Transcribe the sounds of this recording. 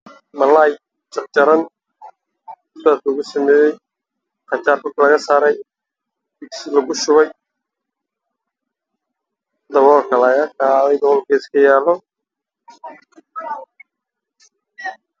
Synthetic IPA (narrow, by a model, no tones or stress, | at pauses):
mɐlaːj | t͡ʃɐq̚t͡ʃɐɾɐn | daːt̪ʊɣʊsɐmɛːjɛj | qɑt͡ʃaːrbʊrkʰlɐɣɐsaːɾɛj | bɪksɪlɐɣʊʃʊβɛj | d̪ɐβɔːlkʰɐlɐɣɐkʰaːðɛjd̪ɐβɔːlkʰɛːɪskʰɐjaːlːɔ